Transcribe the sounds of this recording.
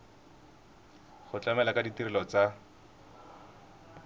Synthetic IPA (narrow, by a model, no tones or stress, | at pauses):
χʊt͡ɬʼamɛlakʼaditiɾɪlɔt͡sa